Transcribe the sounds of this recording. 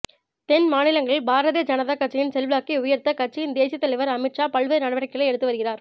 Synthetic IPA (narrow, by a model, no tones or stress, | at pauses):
t̪ɛnmaːnɪlɐŋɡɐɭɪɭbaːɾɐðeːd͡ʒɐnɐðakɐʈ̚t͡ʃːɪjɪnsɛlʋɪlaːkːiʊjɐɾt̪ɐkɐʈ̚t͡ʃːɪjɪnd̪eːsɪjɐt̪ːɐɭɐɪʋɐɾɐmɪʈʂaːpɐɭʋenɐɽɐʋɐɾɐkːɐɭɐɪɛɽɯt̪ːɯʋɐɾɯɣɪraːɾ